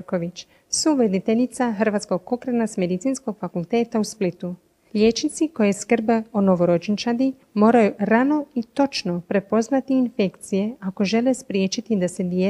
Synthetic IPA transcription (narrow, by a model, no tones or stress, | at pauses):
ko̞ʋit͡ɕ | suʋɾed̪it̪e̞ʎit̪saɦr̩ʋat̪sko̞ɡko̞kɾanasme̞d̪it̪siːnsko̞ɡfakulˠt̪e̞ːt̪ausplit̪u | lʲe̞ːt͡ʃnit̪siko̞jeskr̩beono̞ʋo̞ɾo̞d͡ʒnt͡ʃad̪i | mo̞ːɾajuɾano̞it̪o̞t͡ʃno̞pɾe̞po̞znat̪iːnfe̞kt̪sije̞ako̞ʒe̞le̞spɾje̞ːt͡ʃit̪id̪ase̞d̪je